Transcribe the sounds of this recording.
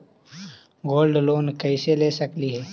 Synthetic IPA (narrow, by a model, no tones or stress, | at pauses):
ɡoːlɖloːnkɛɪseleːsɐkliɦɛː